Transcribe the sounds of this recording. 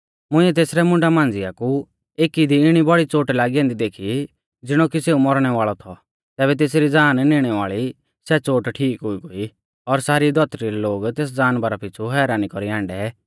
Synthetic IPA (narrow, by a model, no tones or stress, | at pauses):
mʊ̃ĩɛt̪eːsɾɛmʊ̃ɳɖamãːnd͡zɪaku | eːkid̪iɪɽ̃ibɔɽit͡soːʈlaːɡiɛ̃ːnd̪id̪eːkʰi | d͡zɪɽ̃okiseːumɔɾɽ̃ɛʋaːɭɔt̪ʰɔ | t̪ɛːbɛt̪eːs̬ɾid͡zaːnneɽ̃ɛʋaːɭi | sɛt͡soːʈʈʰiːkɦʊiɡoi | ɔɾsaːɾid̪ʱɔt̪ɾiɾɛloːɡt̪eːs̬d͡zaːnbaɾapʰɪt͡sʰuɦɛːɾaːnikɔɾiãːɳɖɛ